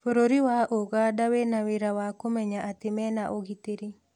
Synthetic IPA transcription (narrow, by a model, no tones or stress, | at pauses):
foɾoɾiwaʔoɣadawenaweɾawakomɛɲaʔat̪ɪmɛnaʔoɡit̪eɾi